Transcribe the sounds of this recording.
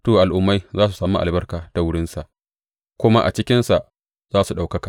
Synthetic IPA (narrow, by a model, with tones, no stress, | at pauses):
toː˨ʔa˨lʔʊ˦mːa˦jzaː˦su˨sɐ˦mːa̰˦ʔa̰˨lbɐ˦rkaː˨ta˨wʊ˦ɽɪ˦nsa˨ʔ | kʷʊ˦ma˦ʔa̰˨t͡ʃɪ˦kʲɪ˦nsa˨ʔ | zaː˦su˨ɗa˨wkɐ˦ka˨ʔ